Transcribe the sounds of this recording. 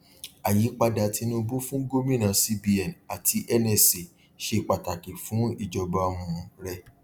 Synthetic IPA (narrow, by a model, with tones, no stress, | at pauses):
a˨ji˨˦k͡pa˦da˨ti˧˦nũ˦˧bo˦fũ˦ɡo˦mĩ˦nã˨˦si˦bi˧ɛ˨na˨tʰi˧ʔɛ˦nɛ˦˨si˨ | ʃe˧˨k͡pa˨ta˨ki˨fũ˨˦i˨d͡ʒɔ˧ba˧mũ˧ɾɛ˧